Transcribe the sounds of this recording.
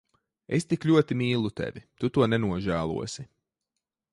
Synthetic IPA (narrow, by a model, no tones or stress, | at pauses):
est̪iklʲuɔt̪imiːlˠut̪ɛ̰vʲit̪ut̪uɔnɛnuɔʒæːlˠṵɔsi